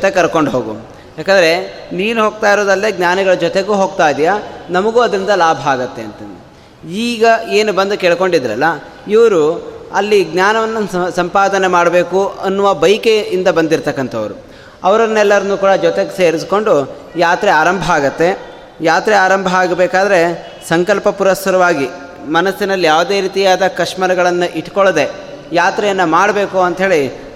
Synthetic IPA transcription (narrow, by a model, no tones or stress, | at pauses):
d͡ʒt̪ekɐɾko̞ɳɖɦoːɡṵ | jaːkɐnd̪ɾe̞niːnuɦoːɡ̚t̪aːjɾoːd̪ɐlːeːɡnaːnɐɡɐɭɐd͡ʒɔt̪e̞ɡuːɦoːɡ̚t̪aːjd̪ijanɐmɐɡuːɐd̪ɾind̪ɐlaːbʱaːɡɐt̪ːe̞ɐnt̪ɐnd̪i | iːɡɐeːnubɐnd̪ukeːɭko̞ɳɖid̪ɐɾɐ̰lːɐ | iʋɐɾuɐlːiɡnaːnɐʋɐnːɐsɐmpaːd̪ɐnemaːɽɐbe̞ːkuɐnːuʋabɐjkeind̪ɐbɐnd̪iɾt̪ɐkːɐnt̪ʰɐʋɐɾṵ | ɐʋɐɾɐnːɛlːɐɾɐnːuːkuːɽɐd͡ʒɔt̪e̞ɡese̞ːɾis̬ko̞ɳɖu | jaːt̪ɾeaːɾɐmbʱɐaːɡɐt̪ːe̞ | jaːt̪ɾɛaːɾɐmbʱɐaːɡɐbeːkaːd̪ɐɾe̞ | sɐŋkɐlpɐpuɾɐst̪ɐɾɐʋaːɡi | mɐnɐsːinɐlːijaːʋud̪eːɾiːt̪ijaːd̪ɐkɐʂmɐɾɐɡɐɭɐnːuʔiʈkɔɭd̪e̞ | jaːt̪ɾɛjɐnːɐmaːɽɐbe̞ːkuɐnt̪ɦe̞ːɭi